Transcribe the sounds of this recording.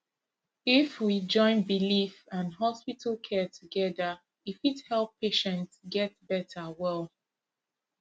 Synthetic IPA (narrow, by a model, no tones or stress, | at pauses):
ifwid͡ʒɔ̃ɪ̃nbilifãnɦɔspitʰl̩ˠkʰɛtʰuɡɛðə | ifithɛlˠpʰːeʃɛ̃ntsɡɛt̚bɛtʰəwɛlˠ